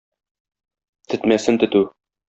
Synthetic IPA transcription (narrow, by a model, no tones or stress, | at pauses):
t̪ɘ̆t̪mæsɘnt̪ɵ̆t̪ʉ